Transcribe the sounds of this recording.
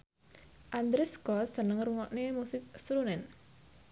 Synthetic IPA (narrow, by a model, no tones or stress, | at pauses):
ʔand̪ɾɪskɔsənəŋruŋɔʔnemusɪk̚sɾunɛn